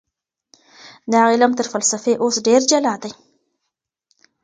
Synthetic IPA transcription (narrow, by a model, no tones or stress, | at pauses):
d̪ɑaɣilamt̪əɾfalsafeʔosɖeɾd͡ʒalɑd̪aj